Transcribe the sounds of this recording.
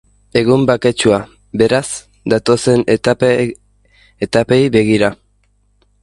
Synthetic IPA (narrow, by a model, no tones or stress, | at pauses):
e̞ɣumbake̞t͡ʃua | be̞ɾaz̥ | d̪at̪o̞se̞n | et̪ape̞jβe̞ɣ̞iɾa